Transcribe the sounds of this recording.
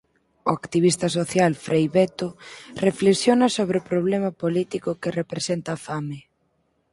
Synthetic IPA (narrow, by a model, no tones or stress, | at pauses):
ʊakt̪iβ̞ist̪ɐs̬oθjalfɾejβɛt̪orefleksjonɐsoβ̞ɾɪopɾoβ̞lɛmɐpolit̪ikʊkerepɾesent̪ɐːfamɪ